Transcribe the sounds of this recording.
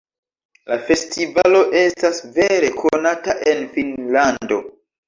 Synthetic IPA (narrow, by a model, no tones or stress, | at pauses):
lafe̞stivalo̞ʔe̞stasve̞ɾe̞kʰonataʔe̞nfinlando̞